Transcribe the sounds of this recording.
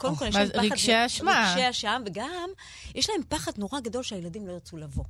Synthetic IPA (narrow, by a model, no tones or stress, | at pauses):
kodemkoljeaezʁiɡʃeaʃmaʃeaʃamveɡam | jeʃlae̞mpaχadno̞ʁaɡado̞lʃeajeladimlo̞jet͡sulavo̞